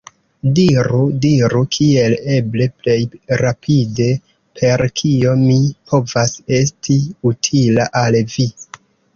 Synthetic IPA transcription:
diɾudiɾukʰie̞le̞ble̞ple̞jɾapʰide̞ | pʰe̞ɾkʰio̞mipʰo̞vase̞stiutʰilaʔalvi

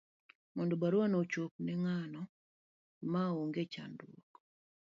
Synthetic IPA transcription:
mɔndobaɾwanot͡ʃok̚nɛŋanɔ | maoŋɡet͡ʃa̰ndwok

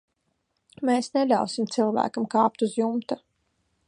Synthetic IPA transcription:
meːsnelʲa̰wsimt̪silˠvæ̰ːkamkaːp̚t̪uzjumt̪a

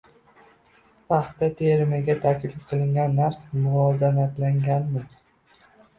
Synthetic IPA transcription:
pɑχt̪ːat̪ʰeɾɪmɪɡʲat̪ʰakʲlɪp̚qʰɨlˠɪŋɡʲanːaɾχmʊvɒːzanat̪laŋɡʲanmɪ

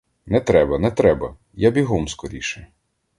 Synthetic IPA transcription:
nɛt̪ɾɛbɐnɛt̪ɾɛbɐ | jabʲiɦɔmskɔɾʲiʃɪ

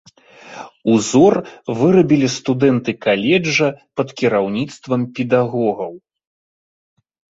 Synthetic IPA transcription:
uzɔrvɨɾɐbʲilʲist̪ud̪ɛnt̪ɨkalʲɛd͡ʐːɐpɐt̪kʲiɾawnʲit̪st̪vɐmpʲɛd̪aɣɔɣɐw

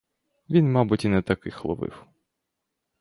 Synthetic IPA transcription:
ʋʲinmɑbʊtʲinɛt̪ɐkɪxlˠɔ̰ʋɪ̰w

